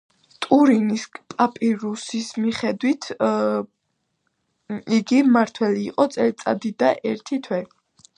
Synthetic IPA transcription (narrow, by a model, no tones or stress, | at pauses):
t̪ʼuɾinispʼapʼiɾusismiχɛd̪wit̪ʰ | iɡimaɾt̪ʰwɛliːqʼɔt̪sʼɛlit̪sʼa̰d̪id̪aʔɛɾt̪ʰit̪ʰwɛ